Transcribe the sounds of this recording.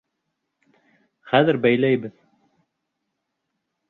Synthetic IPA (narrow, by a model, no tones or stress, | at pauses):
χæðɘɾbæjlæjbɘð